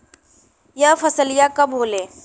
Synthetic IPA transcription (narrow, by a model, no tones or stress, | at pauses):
jɐfɐsəlɪjakɐbɦoːleː